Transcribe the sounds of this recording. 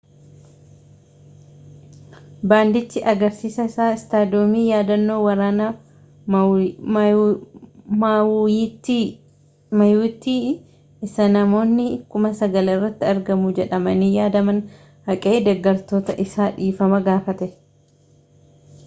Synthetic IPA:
baːnd̪ɪt͡ʃːɪʔɐɡɐɾsiːsɐɪsaːɪst̪aːd̪ɪoːmiːjaːd̪ɐnːo̞ːwɐɾaːnɐ | m | mɐjuːt̪ːiː | ɪsɐnɐmo̞ːnːɪkʊmɐsɐɡɐlɪrːɐt̪ːɪɐɾɡɐmʊd͡ʒɛᶑɐmɐniːjaːd̪ɐmɐn | hɐkʼeːd̪ɛɡːɐɾt̪o̞ːt̪ɐʔɪsaːᶑiːfɐmɐɡaːfɐt̪ɛ

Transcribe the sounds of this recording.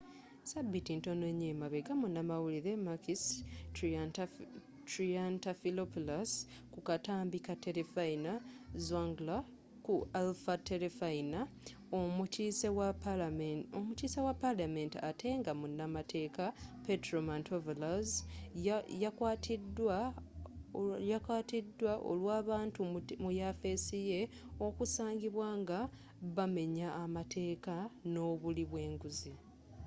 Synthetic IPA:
sabːitinto̞neɲːemaβeɡamunːamawuliðemakis | tɾiantafilopulas | kukataːmbikate̞ɾefainazwaŋɡla | kualfateɾefaina | osew | omutiːsawapːalame̞ntiatʰe̞ːŋɡamunːamatʰe̞ːkapetɾomantʰovelaz | jakwaːtʰidwa | jakaːtidːwaʔo̰lwaːβaːntumujafe̞sije̞ | o̞kusaːɲɡiβwaːŋɡa | βame̞ɲaːmatʰe̞ːkano̞ːβuliβwe̞ːŋɡuzi

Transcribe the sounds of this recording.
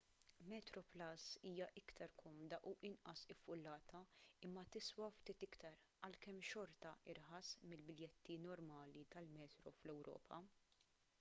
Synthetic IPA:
mɛːt̪ɾɔplɐsiːjɐʔɪkt̪ʰɐɾkʰɔmd̪ɐʔuːʔɪnʔɐsɪfːʊlːɐːt̪ʰɐɪmːɐt̪ɪswɐft̪iːt̪ɪkt̪ɐɾ | ɐlkɛmːʃɔɾt̪ɐʔɪɾħɐsmɪlbɪljɛt̪ːinɔɾmɐːlit̪ɐlmɛːt̪ɾɔflɛwɾɔ̰ːpʰɐ

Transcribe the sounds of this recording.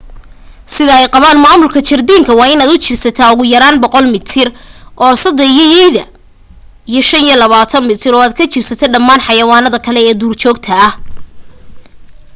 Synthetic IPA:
sɪðɐɛjqɑβaːnmaːmʊlkʰɐt͡ʃɐrd̪iːŋkʰɐwɑːɪnaːd̪ʊt͡ʃɪrsɐt̪ʰaːʊɣʊjɐɾaːnbɔqɔlmɪt̪ʰɪrʔɔːsɐd̪ɛjɔjɛjðɐ | ijɞʃɐnijɔlɐβaːt̪ʰɐnmɪt̪ʰɪɾɔːaːd̪̚kʰɐt͡ʃɪrsɐt̪ʰɛɖɐmːaːnħɑjɐwaːnɐðɐkʰɐlɛɛːd̪uːrt͡ʃɔːɡt̪ʰɐːh

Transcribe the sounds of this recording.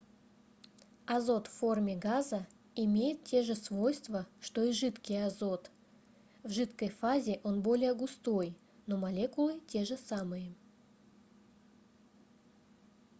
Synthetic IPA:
ɐzo̞t̪fːo̞rmʲɪɡazə | ɪmʲejɪt̪̚tʲe̞ʐɨsvo̞jst̪vəʂt̪o̞iʐɨt̪kʲɪjɐzo̞t̪ | vʐɨt̪kəjfazʲɪʔo̞nbo̞lʲɪjəɡʊst̪o̞j | no̞mɐlʲe̞kʊlˠɨtʲe̞ʐɨsamɨjə

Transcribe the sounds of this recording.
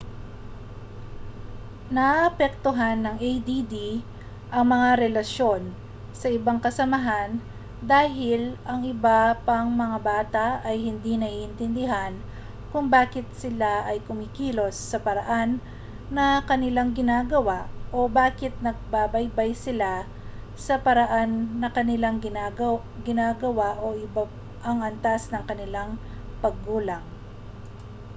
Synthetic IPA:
nɐʔʔɐpɛk̚t̪oɦanːɐŋɛjd̪id̪i | ʔɐŋmɐŋaɾɛlɐʃo̞n | sɐʔɪbaŋkɐsɐmɐɦan | d̪aːɦɪlʔɐŋɪbapɐŋmɐŋabaːt̪aɐjhɪnd̪inɐʔiʔɪnt̪ɪnd̪ɪɦan | kʊŋbaːkɪt̪̚sɪlaʔɐjkʊmɪkiːlo̞sːɐpɐɾɐʔanː | ɐkɐnɪlaŋɡɪnaːɡɐwaʔʔo̞baːkɪt̪̚nɐɡ̚baːbɐjbajsɪla | sɐpɐɾɐʔanːɐkɐnɪlaŋɡɪnaɡ | ɡɪnaːɡɐwaʔoʔɪba | ʔɐŋʔɐnt̪asnɐŋkɐnɪlaŋ | pɐɡːuːlɐŋ

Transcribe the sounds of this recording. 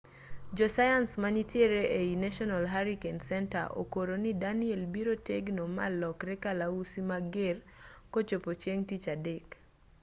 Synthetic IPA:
d͡ʒɔsajansmanitjeɾeʔeinaʃɔnalɦaɾikensɛnta̰ʔo̰koɾonidaniɛlbiɾoteɡnoma̰lɔkɾɛkalausimaɡer | kot͡ʃopot͡ʃjeŋtit͡ʃadek

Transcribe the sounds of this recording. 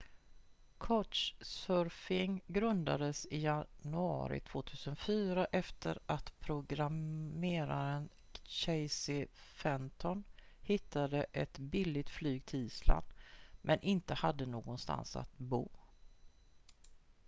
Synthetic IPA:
kʰɔt̪ʂsœɾfɪŋɡɾɵnd̪a̰d̪əsɪjanɵɑ̰ːɾɪ̰t̪ʰv̥oːt̪ʰʉ̟ːsənfyːɾaʔɛft̪ʰəɾat̪pʰɾʊɡɾammeːɾaɾən | ɕɛɪsɪfɛmt̪ʰɔn | hɪt̪ːad̪əʔɛt̪bɪlːɪt̪flyːɡ̚t̪ʰɪiːsla̰nd̪mʔɛnʔɪnt̪əhad̪ːənoːɡɔnst̪a̰nsa̰t̪bṵː

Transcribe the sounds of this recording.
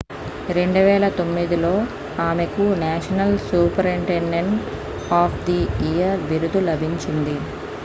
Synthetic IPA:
ɾe̞ɳɖuʋɛːlɐt̪o̞mːid̪ilo̞ː | aːmekunaːʂɐnɐlsuːpɐɾiɳʈeɳɖeɳʈ | aːpʰd̪iijɐɾʋiɾud̪ulɐbʱiɲt͡ʃind̪i

